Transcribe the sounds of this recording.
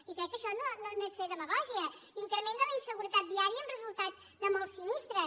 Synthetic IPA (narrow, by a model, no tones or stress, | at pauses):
ikɾɛkːəʃɔnononoesfeðəməɣɔʒiə | iŋkɾəment̪ələinsəɣuɾət̪at̪̚d̪iaɾiəːmrəzulˠt̪at̪ | d̪əmɔlˠsːinist̪ɾə